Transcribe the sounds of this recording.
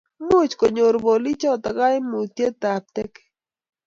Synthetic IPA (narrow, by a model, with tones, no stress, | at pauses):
mu˦t͡ʃko˨ɲo˨ɾbo˨li˦t͡ʃɔ˦t̪a˨ɡa˦jmu˨t̪je˦t̪a˨p̚t̪ɛ˦k